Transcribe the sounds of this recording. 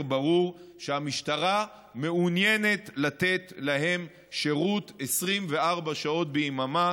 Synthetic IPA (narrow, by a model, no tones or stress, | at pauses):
baʁuʁʃeamiʃtaʁa | me̞unjene̞t̪latet̪laɦe̞m | ʃe̞ʁutesʁimve̞aʁbaʃao̞tbeimama